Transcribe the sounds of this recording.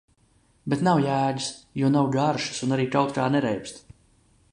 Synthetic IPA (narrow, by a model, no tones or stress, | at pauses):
bet̪nawjæːɟisjuɔnawɡaɾʃi̥sunaɾiːkawt̪kaːnɛɾɛjpst̪